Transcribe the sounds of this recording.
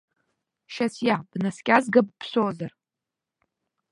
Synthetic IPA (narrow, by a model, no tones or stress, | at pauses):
ʃasjab̥naskʲʼazɡɨb̚pʰsozar